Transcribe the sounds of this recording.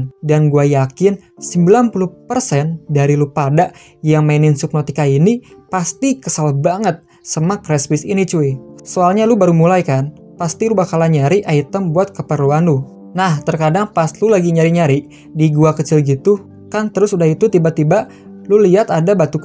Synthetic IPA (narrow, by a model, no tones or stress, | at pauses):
ndanɡuajakɪn | səmbilanpuluhpərsɛndaɾilupadaʔ | jaŋmainɪnsup̚not̪ikainipast̪ikəsalbaŋət̪̚ | səmakɾɛswɪsinit͡ʃuisoalɲalubaɾumulajkan | past̪iɾubakalaɲaɾiʔait̪əmbuat̪̚kəpəɾuanlu | naht̪ərkadaŋpaslulaɡiɲaɾiɲaɾi | diɡuakət͡ʃɪlɡit̪u | kant̪əɾʊsudahit̪ut̪ibat̪ibaʔ | luliɦat̪adabat̪uk